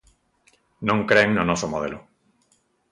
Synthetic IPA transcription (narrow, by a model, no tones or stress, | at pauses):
nõŋkɾeŋnonosomoð̞elo